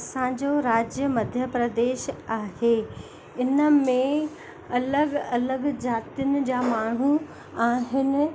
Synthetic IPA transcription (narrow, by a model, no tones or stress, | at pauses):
sãːd͡ʑoɾaːd͡ʑjəmɐd̪ʱjəpɾɐd̪eːʃaːɦeː | ɪnəmẽ | ɐləɡɐləɡd͡ʑaːt̪ijʊnɪ̆d͡ʑaːmaːɳ̤̃u | aːɦɪnɪ̆